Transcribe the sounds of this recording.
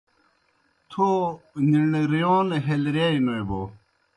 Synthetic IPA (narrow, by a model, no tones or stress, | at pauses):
t̪ʰoniɳɾijoːnɦelɾjaːinoiboː